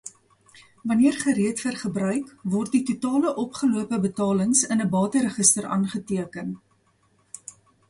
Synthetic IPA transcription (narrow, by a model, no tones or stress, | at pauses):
vɐniərχəɾiətfərχəbrœɥkvɔrt̚ditutɑːləʔɔpχəluəpəbətɑːləŋsənəbɑːtəɾəχəstəɾʔɑ̰ːnχətiəkən